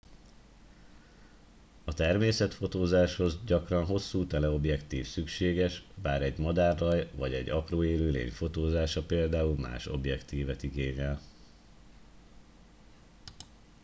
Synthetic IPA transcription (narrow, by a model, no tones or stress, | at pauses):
ɒt̪ɛrmeːsɛt̪fo̞t̪oːzaːʃho̞zɟɒkrɒnɦo̞sːuːt̪ɛlɛo̞bjɛkt̪iːfsykʃeːɡɛʃbaːɾɛɟmɒd̪aːrːɒjvɒɟɛɟːɒkroːeːløːlḛːɲfo̞t̪oːzaːʃɒpeːld̪aːulma̰ːʃo̞̰bjɛkt̪iːvɛt̪iɡeːɲɛl